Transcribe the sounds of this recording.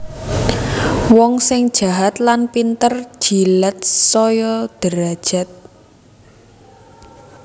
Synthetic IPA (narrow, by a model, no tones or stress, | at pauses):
wɔŋsɪŋd̥ʒ̥a̤ɦat̪lanpint̪ər̥ʒ̥ilət̪̚sɔjɔd̪̥əɾad̥ʒ̥a̤t̪̚